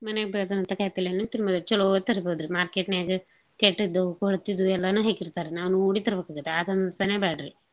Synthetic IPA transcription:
mɐneɡbeːd̪ɐnɐnt̪ɐkaːjpilenut̪iɾmɐd̪ɐt͡ʃulot̪ːɐɾɐbod̪ɾimaːɾkeːʈnaːɡɐ | keʈːd̪ɐkoɭt̪ːid̪uɛlːɐnuːɦeːkiɾt̪aːɾenaːʋunoːɽit̪ɐɾɐbekaːɡut̪ːeaːt̪ɐnd̪ɐt̪ɐneːbaːɖɾi

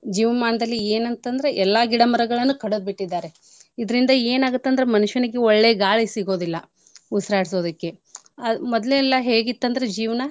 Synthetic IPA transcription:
d͡ʒiːʋɐɐmaːnɐd̪ɐlːieːnɐnt̪ɐnd̪ɐɾe̞ʔɛlːɐɡiɽɐmɐɾɐɡɐɭɐnːukɐɽod̪̚biʈːid̪ːaːɾe̞ | id̪ɐɾind̪ɐe̞ːnaːɡut̪ːɐnd̪ɾe̞mɐnuʂʋɐnɐɡeɔɭːe̞ːɡaːɭisiɡo̞ːd̪ilːɐ | usɐɾaːɽiso̞ːd̪ɐkːe̞ | ɐmɔd̪leɛlːɐɦe̞ːɡit̪ːɐnd̪ɐɾed͡ʒiːʋɐnɐ

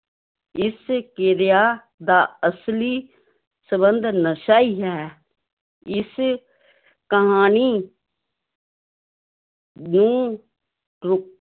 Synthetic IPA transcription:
ɪskɪɾɪjaː | d̪aːəsliː | səbənd̪nəʃaːiːɦɛː | ɪs | kəɦaːniː | nũː | ɾʊ

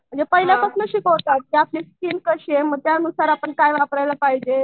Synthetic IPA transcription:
məɳd͡zepəɦiljapəsnəɕiːkot̪at̪̚kiapliːskiːnkəɕieməɡ̚t̪jaənusaɾapəɳkajʋapɾajlapaɦid͡ʑe

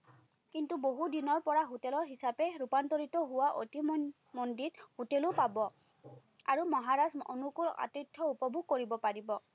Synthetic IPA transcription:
kintuboɦudinɔɹpɔɹaɦutɛlɔɹɦisapɛɹupantɔɹitɔɦʊwaʔo̰tim | mɔndithutɛlʊpabɔ | a̰ɹumɔɦaɹaso̰nukula̰tɔjtʰːɔupɔbʱuɡ̚koɹibɔpaɹibɔ

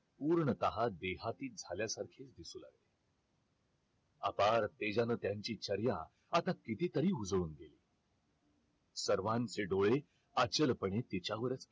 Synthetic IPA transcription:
puːɾɳət̪əɦad̪eɦat̪iːd͡zʱaljasaɾkʰet͡sd̪isuːla̰ɡle | a̰paɾt̪ed͡ʑanəːt̪jaɲt͡ɕiːt͡ɕəɾja | at̪akit̪iːt̪əɾiːud͡zɭuːnɡeliː | səɾʋãnt͡seɖoɭe | at͡ɕəlpəɳet̪it͡ɕjaʋəɾət͡s

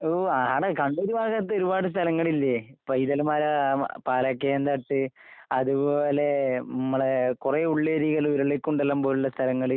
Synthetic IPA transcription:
oaaːɳɐkɐɳɖoɾubʱaːɣɐt̪ːeoɾubaːɽɨs̬t̪ʰɐlɐŋːɐɭilːepɐjðɐlmaːɾɐpaːlɐkːeend̪ɐʈːɨ | ɐðuboːle̞nɐmːɐɭekureːuɭːeɾiːɣɐlɾɐɭekːuɳɖelːɐmboːlulːɐst̪ʰɐlɐŋːɐɭi

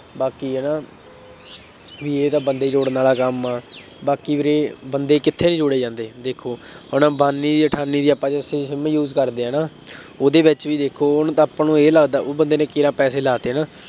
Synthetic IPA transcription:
baːkiːɛːnaː | ʋiːeːt̪ãːbənd̪eːd͡ʒoːɽnaːlaːkəmaː | baːkiːʋəɾeːbənd̪eːkɪt̪ʰːeːnĩːd͡ʒʊɽeːd͡ʒãːnd̪eːd̪eːkʰoːɦənːbaːnːiːd̪iːəʈʰaːnːiːd̪iːapːaːt͡ʃesẽːʃɪmjuːzkəɾd̪eːɛ̃ːnaː | oːd̪eːʋɪt͡ʃʋiːd̪eːkʰoːʊnt̪ãːpãːnũːeːləɡd̪aːʔoːbənd̪eːnẽːkɪɾãːpɛːseːlaːt̪eːnaː

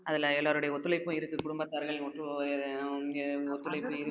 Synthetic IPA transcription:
ɐðɪlɛlːaːɾɯɽɐjɐɔt̪ːɯlɐɪpːʊ̃ɪɾɯkːɯkʊɽʊmbɐt̪ːaːɾɣɐɭɔʈrɯ | ɡɔt̪ːɯlɐɪpːɯɪɾɯ

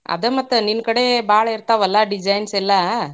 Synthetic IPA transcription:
ɐ̰d̪ɐmɐt̪ːɐninkɐɽebaːɭɐiɾt̪aːʋɐlːaɖid͡ʒɐjnsɛlːɐ

